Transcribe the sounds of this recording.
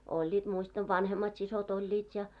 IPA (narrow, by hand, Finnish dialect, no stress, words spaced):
olʲːiːt muistɑʋ ʋɑnhemːɑt sisot olʲːiːt jɑ